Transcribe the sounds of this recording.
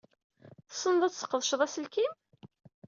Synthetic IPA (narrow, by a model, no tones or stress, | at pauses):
θsˤːənðˤæt͡sːsə̥qːəðˤʃðˤæsəlkim